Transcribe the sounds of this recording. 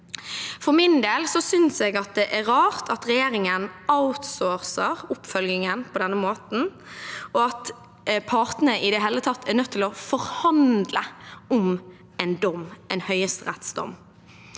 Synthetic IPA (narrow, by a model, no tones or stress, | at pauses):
fɔɾmɪnd̪eːlsɔsʏnsɛːɡɑt̪̚d̪ɛʔæɾɑːʁt̪ʰɑt̪ʁɛjeːɾɪŋənaʊt̪sɔɾsəʁʊpfœlɡɪŋənpʰɔd̪ɛnːəmoːt̪n̩ | ɔɑt̪ | pʰɑʁt̪nəʔɪd̪ɛɦeːlət̪ʰɑt̪ʰːæɾnœt̪ʰːɪlɔfɔʁhɑnd̪ləʊm | ɛɪnd̪ɔmːɛɪnhœʏəst̪əʁɛt̪sd̪ɔ̰m